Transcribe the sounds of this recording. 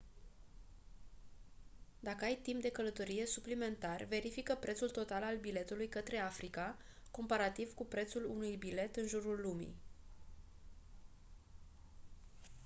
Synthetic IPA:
d̪akəajt̪impd̪e̞kələt̪o̞ɾije̞suplime̞nt̪arve̞ɾifikəpɾe̞t̪sult̪o̞t̪alalbile̞t̪ulujkət̪ɾe̞afɾika | ko̞mpaɾat̪iv̥kupɾe̞t̪sulunujbile̞t̪ɨnʒuɾulːumḭ

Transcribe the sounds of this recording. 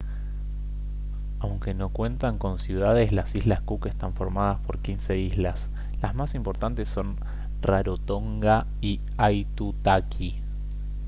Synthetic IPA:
awŋke̞no̞kwe̞nt̪aŋko̞nsjuð̞að̞e̞slasizlaskukest̪aɱfo̞ɾmað̞aspo̞ɾkinse̞izlas | lazmasimpo̞ɾt̪ant̪esːo̞n | raɾot̪o̞ŋɡa | i | ajt̪ut̪akʰi

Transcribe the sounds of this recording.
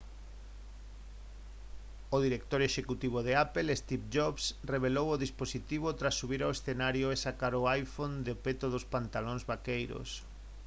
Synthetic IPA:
oðiɾek̚t̪oɾeʃekut̪iβ̞oðeapelest̪ipd͡ʒoβsreβ̞elowoðisposit̪iβ̞ot̪ɾasːuβiɾawesθenaɾjoesakaɾoajfond̪ɪopet̪oðospant̪alõŋzβakejɾo̰s

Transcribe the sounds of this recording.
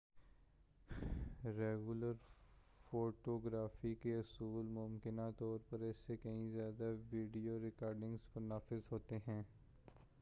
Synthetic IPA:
ɾeːɡʊləɾ | foːʈoːɡɾaːfikeʊsuːlmʊmkɪnat̪ɔːɾpɐɾɛsːekɐɦĩzjaːd̪aʋiːɖijoɾɪkaːɾɖɪ̃ŋɡzmʊnaːfɪzɦoːt̪eɦɛ̃ː

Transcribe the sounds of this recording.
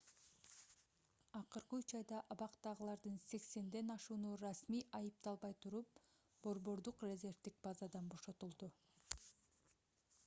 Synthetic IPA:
ɑqɯɾqɯyt͡ʃɑjd̪ɑʔɑβɑqt̪ɑʁɯlˠɑɾd̪ɯnse̞kse̞nd̪e̞nɑʃuːnurasmijʔɑjɯp̚t̪ɑlˠβɑjt̪ʰuɾup̚ | b̥o̞ɾβo̞ɾd̪uqrʲezʲe̞rvt̪ik̚bɑzɑd̪ɑnbo̞ʃo̞t̪ulˠd̪u

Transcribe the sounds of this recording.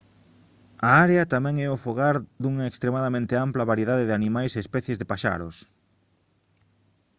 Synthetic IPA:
aaɾeɐt̪amɛ̃ŋɛʊfoɣaɾd̪uŋɐekst̪ɾemaðamẽnt̪ɪamplɐβaɾjeðaðeðɪanimajseːspɛθjezðepaʃa̰ɾʊs

